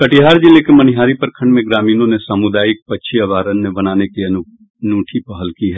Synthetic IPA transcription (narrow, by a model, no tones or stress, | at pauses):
kɐʈiɦaːɾd͡ʒilekemɐnɪɦaːɾipɐɾkʰə̃ɳɖmẽɡɾaːmiːnõnesaːmʊd̪aːjɪk̚pɐtːʃʰiɐʋaːɾənːebɐnaːnekiɐn | nũːʈʰipɐɦəlkiɦɛː